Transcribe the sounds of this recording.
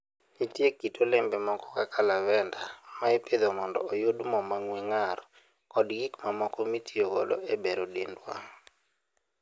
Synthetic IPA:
itjekːitʰolembɛmɔkɔ̥kakʰalawɛndamaeped̪omɔndɔ̰ojodmɔmaŋweŋar | kɔdɡikmamɔkɔmitʰioɡɔ̰lɔ̰ʔebeɾodendwa̰

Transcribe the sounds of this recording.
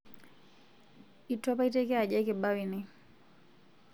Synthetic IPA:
itɔpaitɛkɛaʄɛkɛɓawini

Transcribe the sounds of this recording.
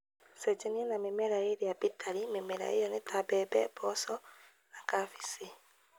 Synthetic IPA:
sɛd͡ʒeniɛnamemɛɾaeɾeabitʰaɾimemeɾa̰ḛjɔnetʰabɛbɛ̰bɔsɔ | nakafisi

